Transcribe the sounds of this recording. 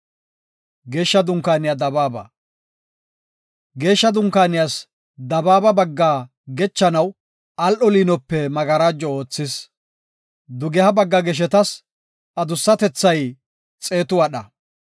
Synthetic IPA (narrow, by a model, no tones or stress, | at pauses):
ɡe̞ːʃːɐd̪ʊŋkaːnɪjad̪ɐbaːbɐ̰ | ɡe̞ːʃːɐd̪ʊŋkaːnɪjas | d̪ɐbaːbɐbɐɡːaː | ɡɛt͡ʃːɐnɐw | ʔɐlʔɔliːnɔpːɛmɐɡɐɾaːd͡ʒːɔoːt͡sːɪs | d̪ʊɡɛhɐbɐɡːɐɡɛʃ̬ɛt̪ɐs | ɐd̪ʊsːɐt̪ɛt͡sːɐj | t͡sʼe̞ːt̪ʊwɐɗɐ